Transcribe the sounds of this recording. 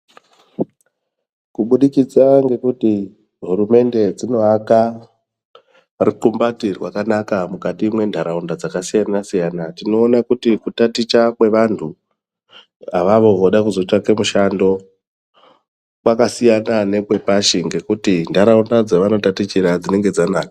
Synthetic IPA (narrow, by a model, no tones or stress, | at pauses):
kuɓuɗikid͡zaŋɡe̞kuti | ɦuɾume̞nde̞d͡zino̞aka | riǃumbatirwakanakamukatiːmwe̞ndʱaɾaundad͡zakasijanasijanatino̞ːnakutikutatit͡ʃakwe̞ʋantʰu | aʋaʋo̞ʋoɗakuzo̞t͡ʃakemuʃando̞ | kwakasijanane̞kwe̞paʃiŋɡe̞kutindʱaɾaundad͡zaʋano̞tatit͡ʃiɾad͡zine̞ŋɡe̞d͡zanaːkḁ